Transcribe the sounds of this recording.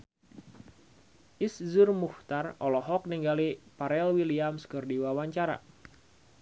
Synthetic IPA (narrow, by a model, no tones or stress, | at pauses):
ʔiszurmuht̪arɔlɔɦɔk̚niŋɡalipaɾɛlwiliamskɨrdiwawaɲt͡ʃaɾa̰